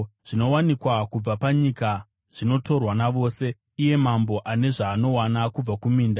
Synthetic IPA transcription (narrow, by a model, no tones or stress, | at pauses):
ʐ̥ino̞wanikwakub͡vapaɲika | ʐ̥ino̞to̞rwanaʋo̞ːse̞ | ije̞mambo̞ʔane̞ʐaːno̞wanakub͡vakumiːnda